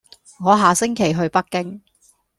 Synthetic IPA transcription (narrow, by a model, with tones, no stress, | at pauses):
ŋɔː˨˧ɦaː˨sɪ˥ŋkʰe˨˩jɦɵ˧ɥpɐ˥k̚kːɪ˥ŋ